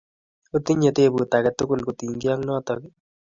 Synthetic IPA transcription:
ut̪iɲet̪eːbut̪akɛt̪ʊkʊlkʊt̪iŋɡjaŋnɔt̪ɔk

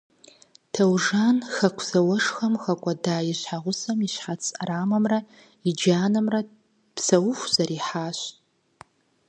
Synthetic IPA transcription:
tʰɐwʐanxɐkʷʰz̥ɐwɐʂxɐmxɐkʷʼɐdaːjiɕħaʁʷʊsɐmiʃħat͡sʰʼɐɾaːmɐmrɐ | id͡ʒaːnɐmrɐ | psɐwʊxʷz̥ɐɾiːħaːʃʷtʼ

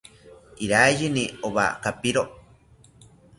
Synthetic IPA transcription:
iɾajinioβa̰kapiɾo

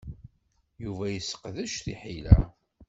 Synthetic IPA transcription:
juvæjəsːə̥qːðæʃθiħilæ̰

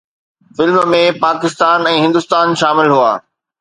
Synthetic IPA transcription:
fɪlmmẽpaːkɪst̪aːnɛ̃ːɦɪ̃nd̪ʊst̪aːnʃaːmɪlɦua̰ː

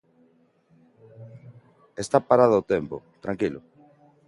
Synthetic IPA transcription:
est̪apaɾaðoot̪empo̰t̪ɾaŋkilʊ

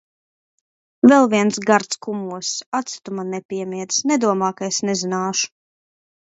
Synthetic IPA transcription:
vɛlˠviɛnsɡaɾt̪skumuɔsat̪si̥t̪umanɛpʲiɛmiɛt̪snɛd̪uɔmaːkaesnɛzinaːʃu̥

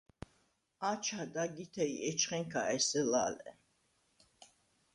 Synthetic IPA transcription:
at͡ʃʰad̪aɡit̪ʰɛiɛt͡ʃʰχɛŋkʰaʔɛsɛla̰ːlɛ̰

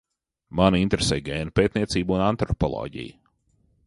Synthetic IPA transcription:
manint̪ɾesɛjɡʲeːnpeːt̪̚niɛt̪siːbunant̪ɾɔpɔ̰lˠɔ̰ːɟḭjə

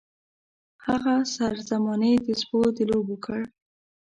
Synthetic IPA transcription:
haɣasaɾzamɑnəd̪əsbod̪əlobokʰəɽ

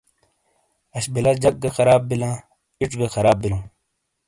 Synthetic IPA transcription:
ɐɕbilɐd͡ʑɐk̚ɡɐxɐɾaːbːilãː | iʈ͡ʂɡɐxɐɾaːb̚bːilũː

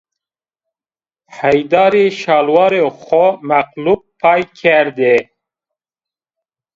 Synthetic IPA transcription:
ħajd̪ɑɾiʃɑlwɑɾeχomæqlub̚pʰːɑjkʰeɾd̪e

